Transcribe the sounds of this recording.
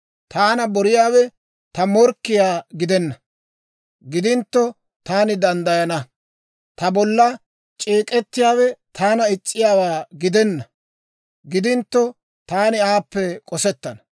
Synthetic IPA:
t̪aːnɐbɔɾɪjaːwɛ | t̪ɐmɔɾkːɪjaːɡɪd̪ɛnːɐ | ɡɪd̪ɪnt̪ːɔ | t̪aːnɪd̪ɐnd̪ɐjɐnɐ | t̪ɐbɔlːɐ | t͡ʃʼeːkʼɛt̪ːɪjaːwɛt̪ʰaːnɐɪt͡sʼːɪjaːwaːɡɪd̪ɛnːɐ | ɡɪd̪ɪnt̪ːɔ | t̪aːnɪaːpːɛkʼɔsɛt̪ːɐnɐ

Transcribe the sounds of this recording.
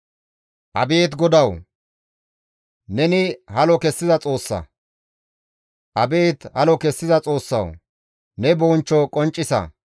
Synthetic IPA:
ʔɐbe̞ːt̪ɡɔd̪ɐw | nɛnɪhɐlɔkɛsːɪzɐt͡sʼo̞ːsːɐ̰ | ʔɐbe̞ːt̪hɐlɔkɛsːɪzɐt͡sʼo̞ːsːɐ̰w | nɛboːnt͡ʃːɔkʼɔnt͡ʃʼːɪsɐ̰

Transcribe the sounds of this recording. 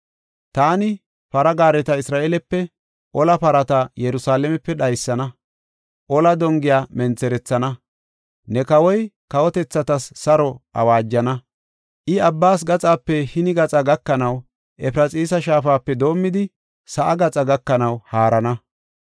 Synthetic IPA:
t̪aːnɪ | pɐɾɐɡaːɾɛt̪ɐɪsɾaːʔelɛpːɛ | ʔɔlɐpɐɾɐt̪ɐjɛɾʊsaːlɛmɛpːɛɗɐjsːɐnɐ | ʔɔlɐd̪ɔŋɡɪjaːmɛnt͡sːɛɾɛt͡sːɐnɐ | nɛkɐwɔj | kɐwɔt̪ɛt͡sːɐt̪ɐsːɐɾɔʔɐ̰waːd͡ʒːɐnɐ | ʔɪɐbːaːs̬ɡɐt͡sʼaːpːɛhɪnɪɡɐt͡sʼɐɡɐkːɐnɐw | ʔɛpɾɐt͡sʼiːsɐʃaːfaːpːɛd̪o̞ːmːɪd̪ɪ | sɐʔɐɡɐt͡sʼɐɡɐkːɐnɐwhaːɾɐnɐ

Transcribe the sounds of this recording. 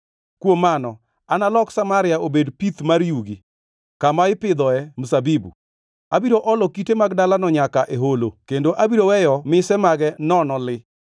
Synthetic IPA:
kwomanɔ | analɔksamaɾɪjaobedpit̪maɾjuɡi | kamaɪpɪd̪ɔɛmusabibṵ | abiɾoʔɔlɔkitemaɡdalanɔɲakaʔeɦolokendoʔabiɾowɛjɔmɪsɛmaɡɛnɔnɔlɪ

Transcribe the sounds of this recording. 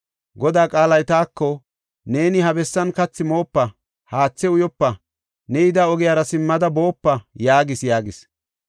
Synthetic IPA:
ɡɔd̪aːkʼaːlɐjt̪aːkːɔ | ne̞ːnɪhɐbɛsːɐnkɐt͡sːɪmo̞ːpːɐ | haːt͡sːɛʊjɔpːɐ | nɛjɪd̪ɐɔɡɪjaːɾɐsɪmːɐd̪ɐbo̞ːpːɐjaːɡɪsjaːɡɪs

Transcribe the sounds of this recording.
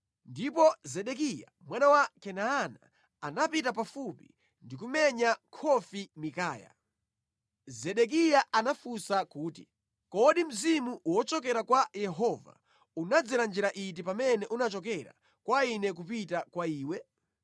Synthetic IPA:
ndipɔzɛɗɛk̬ija̰ | mwanawakɛnaːnaː | napitapafupḭ | ndikumɛɲakʰɔfimikaːja̰ | zɛɗɛk̬ijaʔanafusakuːti̥̰ | kɔɗim̩zimuʔwɔt͡ʃɔkɛɾakwajɛɦɔva̰ | unad͡ziland͡ʒiɾaʔit̬ipamɛnɛʔunat͡ʃɔk̬ɛɾa̰ | kwainɛk̬upitakwaiːwɛ

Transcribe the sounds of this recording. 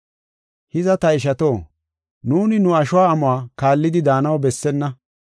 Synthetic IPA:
hɪzɐt̪ɐɪʃ̬ɐt̪o̞ː | nuːnɪnʊɐʃʊwaːmʊaːkaːlːɪd̪ɪd̪aːnɐwbɛsːɛnːɐ

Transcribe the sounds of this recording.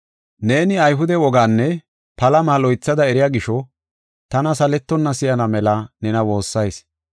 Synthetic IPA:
ne̞ːnɪɐjɦʊd̪ɛwɔɡaːnːɛ | pɐlɐmaːlɔjt͡sːɐd̪ɐɛɾɪjaːɡɪʃɔ | t̪ɐnɐsɐlɛt̪ːɔnːɐsɪjɐnɐmɛlɐnɛnɐwo̞ːsːɐjs

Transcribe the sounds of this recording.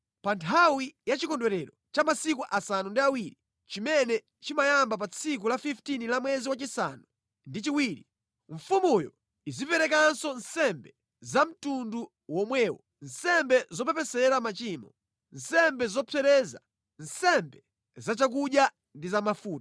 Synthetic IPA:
pantʰawijat͡ʃikɔndwɛɾɛɾɔt͡ʃamasikuʔasanundiawiːɾi | t͡ʃimɛnɛ | t͡ʃimajambap̬at͡sʰik̬ulafiftinilamwɛziwat͡ʃisa̰nu | ndit͡ʃiwiːɾi | ɱfumujɔ̰ | izipɛɾɛk̬ansɔnsɛmbɛ | zam̩tundu | wɔmwɛːwɔ | n̩sɛmbɛzɔpɛpɛsɛɾamat͡ʃiːmɔ | nsɛmbɛzɔpʰɛɾɛːza̰ | nsɛmbɛ | zat͡ʃak̬uɗja | ndizamafuːta

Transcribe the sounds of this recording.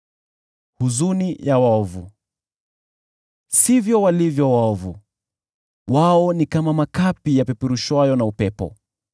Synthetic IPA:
huzunijawaɔvu | sivjɔwalivjɔwaɔvṵ | waɔnikamamakapijapɛpuɾuʃwajɔnaupɛpɔ̰

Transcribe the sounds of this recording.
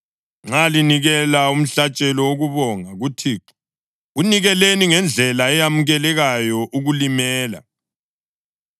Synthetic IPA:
ŋ͡ǁaliniɣɛlaum̩ɬat͡ʃʼɛlɔwoɣuβɔŋaɣutʰiǃi̥ | uniɣɛleniŋɛnd͡ɮʱɛlaɛjamuɣɛlɛɣajɔʔuɣulimɛːla̰

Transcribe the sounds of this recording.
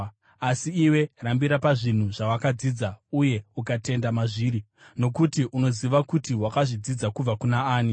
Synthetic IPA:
asiːwe̞rambiɾapaʐin̤uʐ̥awakad͡zid͡zauje̞ukate̞ndamaʐiːɾi | no̞kutiʔuno̞ziʋakutiwakaʐid͡zid͡zakub͡vakunaaːni

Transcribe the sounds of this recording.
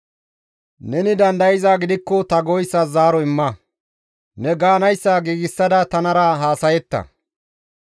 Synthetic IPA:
nɛnɪd̪ɐnd̪ɐjɪzaːɡɪd̪ɪkːɔt̪ɐɡɔjsːɐzaːɾɔɪmːɐ | nɛɡaːnɐjsːaːɡiːɡɪsːɐd̪ɐt̪ɐnɐɾɐɦaːsɐjɛt̪ːɐ̰

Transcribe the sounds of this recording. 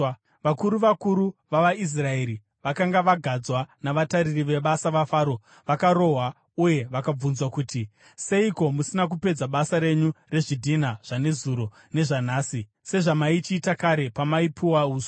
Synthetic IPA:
ʋakuɾuʋakuɾuʋaʋais̬rae̞ɾi | ʋakaŋɡaʋaɡʱad͡zwanaʋataɾiriʋe̞ɓasaʋafaːɾo̞ | ʋakaɾo̞ɦwa | uje̞ʋakab͡vunzwakuːti | se̞iko̞musinak̬upe̞d͡zaɓasaɾe̞ɲure̞ʐidʱinaʐ̥ane̞zuɾo̞ | ne̞ʐanaːsi | se̞ʐamait͡ʃiːtakaɾe̞pamaipʰuwauːzo

